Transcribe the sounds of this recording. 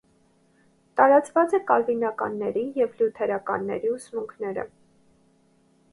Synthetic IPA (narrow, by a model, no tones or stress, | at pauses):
t̪ɑɾɑt͡svɑt͡sɛkɑlvinɑkɑnːɛɾijɛvljut̪ʰɛɾɑkɑ̰nːɛ̰ɾiusmuŋkʰnɛɾə̰